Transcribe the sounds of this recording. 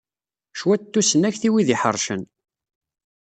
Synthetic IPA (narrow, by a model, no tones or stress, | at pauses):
ʃwæt̪ːusənæçθiwiðiħə̰ɾˤʃə̰n